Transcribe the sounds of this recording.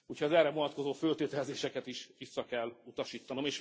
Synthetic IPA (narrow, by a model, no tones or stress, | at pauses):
uːchɒzɛrɛvonɒt̪ko̞zoːfølt̪eːt̪ɛlzeːʃɛkɛt̪iʃʋisːɒkɛlːut̪ɒʃiːt̪ːɒno̞meːʃ